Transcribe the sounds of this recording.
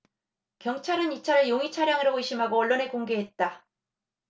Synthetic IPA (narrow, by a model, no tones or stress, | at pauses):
kjʌŋt͡ɕʰaɾɯnit͡ɕʰaɾɯɭjoŋit͡ɕʰaɾjaŋɯɾouiɕ͈ʰimɦaɡoʌɭːone̞koŋɡe̞ɦe̞t̚t͈a